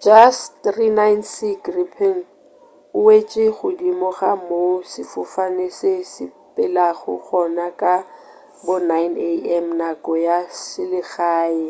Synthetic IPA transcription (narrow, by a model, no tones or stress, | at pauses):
d͡ʒastrinajnsiɡripʰɛŋ | ʊwet͡ʃʼɪχʊdimɔɣamosɪfʊfanesɪsɪ | pʼɪlaɣʊ̰χɔnakʼa | bʊnajneɛmnakʼɔjasɪlɪɣaːɪ